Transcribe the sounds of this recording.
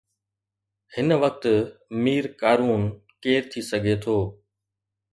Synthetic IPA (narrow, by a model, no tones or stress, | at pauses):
hɪnʋɐk̚t̪miːɾkaːɾuːn | keːɾt̪ʰisɐɡʱet̪ʰoː